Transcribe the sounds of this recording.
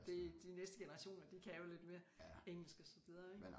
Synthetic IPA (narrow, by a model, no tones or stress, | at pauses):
d̥e̝d̥inesd̥əɡ̥enəʁɑ̈ɕo̝̰ːnɐd̥ikʰæjole̝d̥me̝ːɐeŋ̰l̩sɡ̥əɒsɒʋið̞ˠɐeɡ